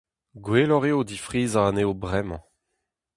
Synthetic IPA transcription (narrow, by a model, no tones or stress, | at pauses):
ɡweːlɔʁeod̪ifʁiːzaaneobʁɛmɑ̰̃